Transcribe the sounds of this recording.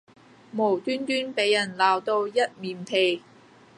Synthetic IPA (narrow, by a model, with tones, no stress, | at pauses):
mo˨˩wt̪yː˥nt̪yː˥npe˨˥jːɐ˨˩nlaː˨wt̪o˧wjɐ˥t̚miː˨˩mt̪ʰe˨j